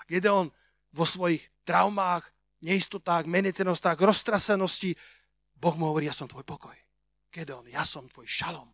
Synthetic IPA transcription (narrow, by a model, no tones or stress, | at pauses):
akɛd̪ɛɔn | ʋɔsʋɔjixt̪ɾaʊmaːɣ | ɲɛist̪ɔt̪aːɣmɛɲɛt͡sɛnɔst̪aːɣɾɔst̪ɾasɛnɔsci | bɔɣmuɦɔʋɔɾiːjasɔmt̪ʋɔjpɔkɔj | kɛd̪ɛɔnjasɔmt̪ʋɔjʃalɔm